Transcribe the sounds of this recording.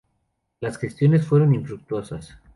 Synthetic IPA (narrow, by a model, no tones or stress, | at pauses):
lasxe̞st̪jo̞ne̞sfwe̞ɾo̞niɱfɾuk̚t̪wo̞sas